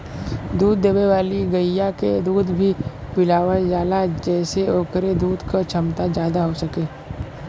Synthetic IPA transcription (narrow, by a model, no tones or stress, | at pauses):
d̪uːd̪ːeːweʋaːliɡəjjaked̪uːd̪bʱi | pɪlaːwəld͡ʒaːlad͡ʒɛːseoːkɾed̪uːd̪kot͡ʃʰɐmt̪ad͡ʒjaːd̪aɦosɐkeː